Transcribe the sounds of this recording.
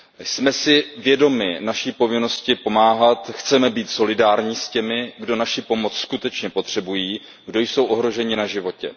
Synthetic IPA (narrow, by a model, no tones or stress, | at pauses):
smɛsɪvjɛdo̞mɪnaʃiːpo̞vɪno̞scɪpo̞maːɦat̪xt͡sɛmɛbiːt̪so̞lɪdaːɾɲiːscɛmɪɡdo̞naʃipo̞mo̞t͡sskut̪ɛt͡ʃɲɛpo̞t̪r̝̥ɛbujiː | ɡdo̞jso̞wʔo̞ɦɾo̞ʒɛɲɪnaʒɪvo̞cɛ̰